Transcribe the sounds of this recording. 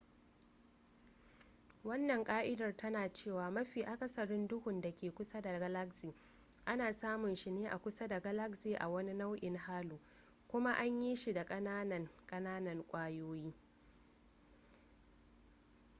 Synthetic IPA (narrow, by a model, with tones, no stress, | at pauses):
wɐ˦nːɐ˨ŋkʼaː˦ʔɪ˦dɐ˨rtɐ˦naː˨t͡ʃeː˦˨waː˨mɐ˦ɸiː˨ʔa˨kʼɐ˦sɐ˨ɽɪ˦ndʊ˦hʊ˨nda˨kʲeː˨kʷʊ˦sa˦da˨ɡa˦la˦ksi˨ | ʔa˦naː˨saː˦mʊ˨nʃɪ˨neː˦ʔa̰˨kʷʊ˦sa˦da˨ɡɐ˦la˦ksiː˨ʔa̰˨wɐ˦ni˦na˦wʔɪ˨ŋɦaː˦luː˨ | kʷʊ˦ma˦ʔa˦ɲji˦ʃi˨da˨kʼɐ˦naː˦nɐ˨ŋkʼɐ˦naː˦nɐ˨ŋkʷʼaː˦joː˦jiː˦